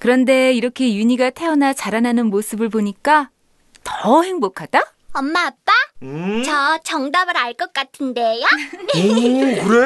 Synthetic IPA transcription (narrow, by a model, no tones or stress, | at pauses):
kɯɾʌnde̞iɾʌkʰe̞juɲiɡatʰe̞ʌnat͡ɕaɾananɯnmos͈ʰɯbɯɭboɲik͈a | tʌhe̞ŋbokʰad̥a | ʌmːaːp̚p͈at͡ɕʌt͡ɕʌŋdabɯɾaɭk͈ʌk͈atʰɯnde̞jookɯɾe